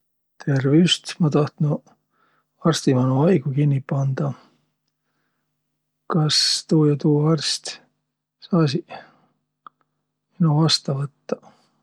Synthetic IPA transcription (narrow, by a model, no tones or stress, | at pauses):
t̪ʰerviust̪mɑt̪ɑht̪nu | ɑrsʲt̪imɑnuɑjɡ̥ukinʲːipɑnd̪̥ɑ | kɑst̪uːjɑt̪uːɑɑrst̪ | sɑːs̬i | minuvɑst̪ɑvɤt̪ːɑ̥